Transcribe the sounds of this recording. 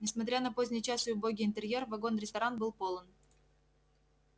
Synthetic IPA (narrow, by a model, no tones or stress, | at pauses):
nʲɪsmɐt̪̬ɾʲanɐpozʲnʲɪjt͡ɕasɨʊbo̞ɡʲɪɪnt̪ɨɾʲje̞rvɐɡo̞nɾʲɪst̪ɐɾanbɨlˠpo̞lˠən